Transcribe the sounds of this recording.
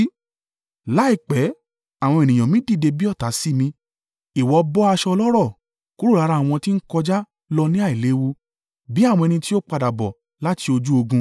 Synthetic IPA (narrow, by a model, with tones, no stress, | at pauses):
la˨˦i˦˨k͡pɛ˨˦ | a˨w̃ɔ̃˧e˨nĩ˨j̃ã˨mĩ˦di˦˨de˧bi˦ɔ˦˨ta˨˦si˦mĩ˧ | i˨wɔ˨bɔ˦a˧ʃɔ˧lɔ˦ɾɔ˦˨ | ku˦ɾu˦˨ɾa˨˦ɾa˧˦˨w̃ɔ̃˧ti˦n̩˦kɔ˧d͡ʒa˦ | lɔ˧nĩ˦a˦˨i˨le˨˦wu˧ | bi˨˦a˦˨w̃ɔ̃˧ɛ˧nĩ˧ti˦o˦k͡pa˧da˨bɔ˨ | la˦ti˧o˧d͡ʒu˦o˧ɡũ˧